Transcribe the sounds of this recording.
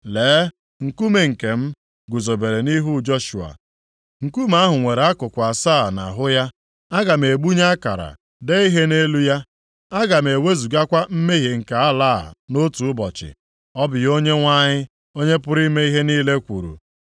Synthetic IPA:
leː˨˦ | ŋ̩˨ku˦me˨ŋ̩˨ke˨m̩˦ | ɡʷʊ˨zo˨be˨ɾe˨ni˦ɦu˦d͡ʒo˦ʃu˨a̰˨ | ŋ̩˨ku˦m˦a˦ɦʊ˨ŋʷe˨ɾa˦kʊ˨kʷa˨saː˦˨na̰˨ɦʊ˦ja˦ | a˦ɡa˨m̩˨e˨ɡ͡bu˦ɲa˦ka̰˨ɾa̰˨ | de˦i˦ɦe˦ne˦lu˦ja˦ | a˦ɡa˨m̩˨e˨we˦zu˨ɡa˦kʷa˦m̩˦me˦ɦe˨ŋ̩˨ka˨a˦laː˦˨no˦tu˨ʊ˦bɔ˨t͡ʃɪ̰˨ | ɔ˦bɪ˨jo˦ɲe˦ŋʷa˦ɲɪ˦ | o˦ɲe˦pʊ˦ɾi˦me˦i˦ɦe˦ni˦le˦kʷṵ˨ɾṵ˨

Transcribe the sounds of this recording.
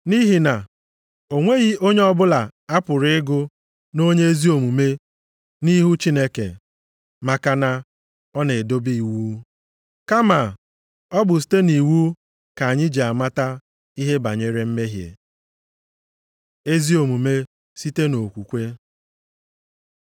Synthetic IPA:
ni˦ɦi˨na˨ | o˨ŋʷe˦ɣi˦o˦ɲe˦ɔ˦bʊ˦la˨a˦pʊ˨ɾɪ˦ɪ˦ɡʊ˦ | no˦ɲe˦e˦zi˦o˨mu˨me˦ | ni˦ɦu˦t͡ʃi˦ne˦kḛ˨ | ma˨ka˦na˦ | ɔ˦ne˨do˦bi˦˨wu˦ | ka˦ma˨ | ɔ˦bʊ˨s̬i̥˨˦te˦ni˨wu˦ | ka˨a˨ɲɪ˦d͡ʒe˨a˨ma˦ta˦ | i˦ɦe˦ba˨ɲe˨ɾe˨m̩˦me˦ɦjḛ˨ | e˦zi˦o˨mu˨me˦ | si˦te˦no˨kʷu˨kʷe˦

